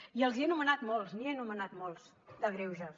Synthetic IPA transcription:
iəlˠziənumənat̪mɔlˠznienumənat̪mɔlˠz | d̪əɣɾewʒə

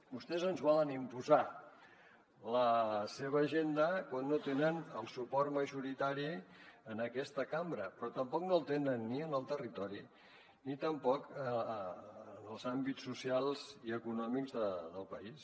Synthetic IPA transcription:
bust̪ɛzənzβɔlənimpuza | ləseβ̞əːʒend̪əkwanːot̪enənəlˠsupɔɾməʒuɾit̪aɾiənəkɛst̪əkambɾəpɾɔt̪əmpɔk̚nolˠt̪enənːiənəlˠt̪ərit̪ɔɾi | nit̪əmpɔkə | əːnəlˠzambisːusialˠziəkunɔmikzðəðəlˠpəis

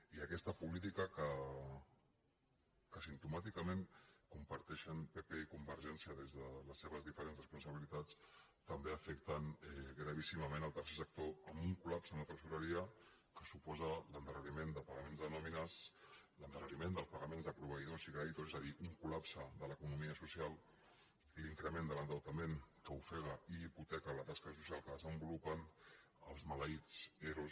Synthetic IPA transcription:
iəkɛst̪əpulit̪̬ikəkə | kəsint̪umat̪ikəmẽŋkumpəɾt̪ɛʃənpepɛikumbəɾʒɛnsiəðezðələsːeβ̞əzðifəɾenrəspunsəβilit̪at͡s | t̪əmbeəfɛkt̪ənɛɣɾəβ̞isiməmenəlˠt̪ɛɾsesək̚t̪oəmbuŋkulapsəunat̪ɾəsuɾəɾiə | kəsupɔzələnd̪ərənimend̪əpəɣɐmenzðənɔminaslənd̪ərənimend̪əlˠspəɣəmẽnzðəpɾuβ̞əiðosiɣɾait̪ozezəðiʔuŋkulapsəðələkunumiəsusialˠ | iliŋkɾəmẽnd̪ələnd̪əwt̪əmẽŋkəufɛɣəiiput̪ɛkələt̪askəs̬u̥sialˠkəðəzəmbulupən | ə̰lˠzmaləit͡sɛɾus

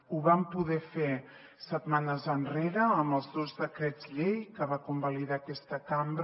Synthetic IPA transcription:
uβampuðɛfe | sət̪manəzənreɾəːməlˠzðozðəkɾɛd͡zʎejkəβakumbaliðakɛst̪əkambɾ

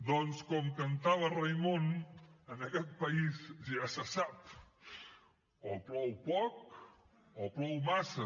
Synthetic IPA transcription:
d̪ɔnskɔmkənt̪aβ̞ərəjmonənəkɛt̪̚pəizʒasəsap | opɾɔwpɔk̚ | opɾɔwmasə

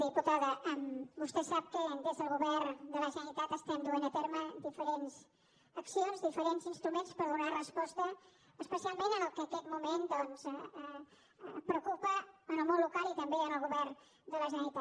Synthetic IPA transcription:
ðiput̪aðəʔəmbust̪ɛsap̚kəd̪ezðəlˠɣuβɛrd̪ələzənit̪at̪əst̪ɛnd̪uenət̪eɾməd̪ifəɾenz | əksionzðifəɾenzinst̪ɾumenspəɾðunarəspɔst̪əː | spəsialˠmẽnənəlˠkəkɛt̪mumend̪ɔnz | pɾəukupəːnəlmonlukalˠit̪əmbeənəlˠɣuβɛr | d̪ələʒənit̪a

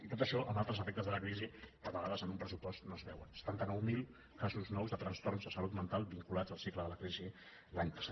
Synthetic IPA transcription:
it̪ot̪əʃɔʔəmalˠt̪ɾəzəfɛk̚t̪əzðələkɾizikəβəɣaðəzənumpɾəsupɔst̪nozβɛwənsə̥t̪ant̪ənɔwmilˠ | kazuznɔwzðət̪ɾənst̪ornzðəsəlut̪mənt̪alˠbiŋkulad͡zəlˠsikləðələkɾizi | laɲpə̥sa

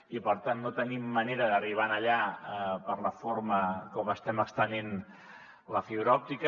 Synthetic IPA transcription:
ipəɾt̪anːot̪ənimːəneɾəðəriβ̞anəʎapəɾləfoɾməkɔməst̪ɛməkst̪ənen | ləfiβɾɔp̚t̪ikə

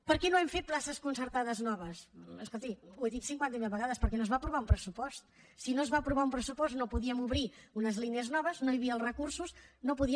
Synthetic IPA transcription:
pəɾkɛnoɛmfet̪̚plˠasəskunsəɾt̪aðəznɔβ̞əsəskolˠt̪iueðit̪siŋkwant̪əmilˠβəɣaðəspəɾkɛnozβapɾuβaumpɾəsupɔst̪ | sinozβapɾuβaumpɾəsupɔst̪nopuðiəmuβɾiunəzlineəznɔβəznoiβiəlˠrəkuɾsuznopuði

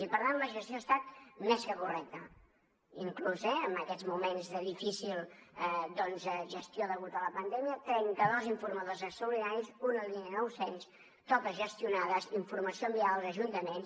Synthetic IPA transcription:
ipəɾt̪anləʒəst̪ioəst̪at̪̚mɛskəkurɛk̚t̪ə | iŋkluzɛəmbəkɛzmumenzðəðifisilˠɛd̪ɔnzəʒəst̪joðəɣut̪ələpənd̪ɛmiət̪ɾɛŋkəðoziɱfuɾməðozəkst̪oulinaɾizunəlˠinnɔwsens | t̪ɔkəʒəst̪junaðəziɱfuɾməsioəmbiaðəlˠzəʒunt̪əmens

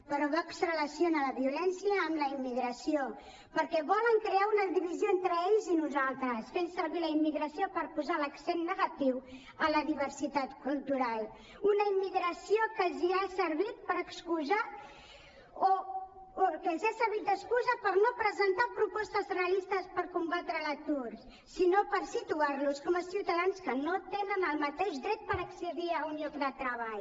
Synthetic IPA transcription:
pəɾɔβaksrələsionələβiulɛnsiəːmləimːiɣɾəsio | pəɾkɛβɔləŋkɾeaunəðiβizioent̪ɾəeʎzinuzalˠt̪ɾəsfensəɾβiləimːiɣɾəsiopəɾpuzaləksenːəɣat̪iw | ələðiβəɾsit̪at̪kulˠt̪uɾalˠ | unəimːiɣɾəsiokəziasəɾβit̪̚pəɾəkskuza | o | okəzasəɾβit̪̚d̪əskuzəpəɾnopɾəzənt̪apɾupɔst̪əzreəlist̪əspəɾkumbat̪ɾələt̪uɾ | sinopəɾsit̪uaɾluskɔməsiwt̪əðanskənot̪enənəlˠmət̪eʒd̪ɾɛt̪̚pəɾəksəðiəunʎɔkd̪ət̪ɾəβaʎ

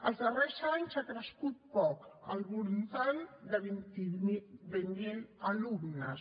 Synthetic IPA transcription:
əlˠzd̪ərɛsaɲsakɾəskut̪̚pɔkə̰lβulnt̪and̪əβint̪ibənenəlumnəs

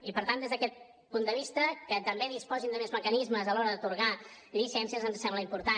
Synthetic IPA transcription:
ipəɾt̪and̪ezðəkɛt̪̚ | pund̪əβist̪əkət̪əmbeðispɔzind̪əmezməkənizməzəlɔɾəðət̪uɾɣa | lisɛnsiəzənzsɛmbləimpuɾt̪a

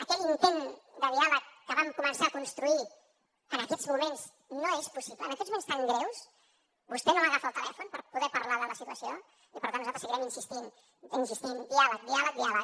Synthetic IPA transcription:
əkɛlint̪end̪əðialəkːəβamkumənsaːkunst̪ɾui | ənəkɛzmumenz | noespusipləːnəkɛt̪zmumenst̪aŋɡɾɛws | bust̪ɛnoməɣafəːlˠt̪ə̰lɛ̰funpəɾpuðɛpəɾlaðələsit̪uəsio | ipəɾt̪anuzalt̪ɾəsəɣiɾɛminsist̪in | insist̪ind̪ialək̚d̪ialək̚d̪ialək

